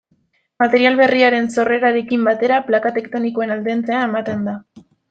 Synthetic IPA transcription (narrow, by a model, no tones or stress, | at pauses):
mat̪e̞ɾialβe̞riaɾe̞nso̞re̞ɾaɾe̞kimbat̪e̞ɾaplakat̪e̞kt̪o̞nikoe̞nald̪e̞nt͡se̞ae̞mat̪e̞nd̪a